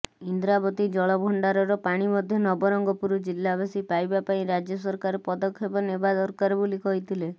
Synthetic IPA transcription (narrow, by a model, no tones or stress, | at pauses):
ind̪ɾabɔt̪id͡ʒɔɭɔbʱɔɳɖaɾɔɾɔpaɽ̃imɔd̪ʱjɔnɔbɔɾɔŋɡɔpuɾɔd͡ʒilːabasipajbapaĩɾad͡ʒjɔs̬ɔɾkaɾɔpɔd̪ɔkʰːebɔnebad̪ɔɾkaɾɔbolikɔɦit̪ʰile